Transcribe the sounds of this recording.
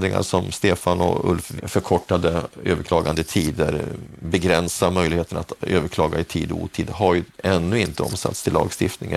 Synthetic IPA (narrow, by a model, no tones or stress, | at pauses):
d̪ɾɪŋa̰ʂɔmst̪eːfanɔ̰ɵ̰lffœɾkʰɔʈːad̪əøːvəɾkʰlɑːɡand̪əɪt̪ʰiːd̪ə̰ɾbɛɡɾɛnsamœjlɪheːt̪ənat̪øːvəɾkʰlɑːɡaɪt̪ʰiːd̪ɔṵːt̪ʰiːd̪ɦaɾjɵɛnːɵɪnt̪əɔ̰msa̰t̪st̪ʰɪlːɑ̰ːɡst̪ɪft̪nɪŋə